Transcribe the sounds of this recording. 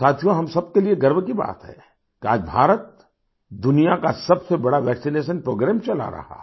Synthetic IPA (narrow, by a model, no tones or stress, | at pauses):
saːt̪ʰijõɦɐmsɐb̚kelieɡɐɾbkiba̰ːt̪ɦɛ̰ː | kia̰ːd͡ʒbʱa̰ːɾət̪̚ | d̪ʊnijakasɐbsebɐɽaʋɛːksineːʃ̬ənpɾoːɡɾɛːmt͡ʃɐla̰ɾɐ̰ha̰